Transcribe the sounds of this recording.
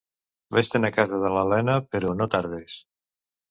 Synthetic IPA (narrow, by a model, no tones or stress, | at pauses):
best̪enakazaðəlalɛnapeɾonot̪aɾð̞es